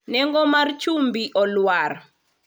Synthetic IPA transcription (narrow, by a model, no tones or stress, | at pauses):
nɛŋɡɔmart͡ʃumbiʔɔlwar